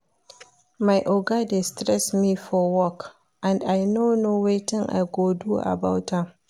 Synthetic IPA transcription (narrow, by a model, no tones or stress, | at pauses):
majʔoɡadestɾɛsmiːfɔwɔk | ʔãndajnonowetɪŋʔa̰jɡoduʔa̰bawtam